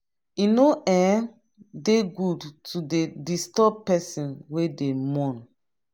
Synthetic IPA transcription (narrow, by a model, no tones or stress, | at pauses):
inoʔɛ̃ | deɡudtʰudedistɔb̚pɛsĩnwedemɔ̃n